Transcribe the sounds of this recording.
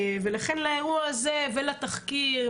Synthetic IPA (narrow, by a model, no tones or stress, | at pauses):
velaχenlaeʁuaazevelat̪aχki